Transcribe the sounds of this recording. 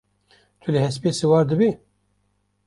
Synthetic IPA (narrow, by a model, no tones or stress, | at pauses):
t̪ʰulɨhɛspesɨwɑːɾd̪ɨbi